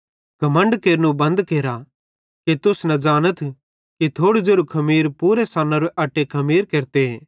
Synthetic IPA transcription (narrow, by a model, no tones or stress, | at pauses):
ɡʱɐmə̃ɳɖkeːɾnũbɐ̃nd̪keːɾa | kit̪ʊsnɐd͡ʒaːnət̪ʰ | kit̪ʰoːɽud͡ʒeɾukʰɐmiːɾpuːɾesaːnaɾuʔɐʈːekʰɐmiːɾkeːɾt̪eeː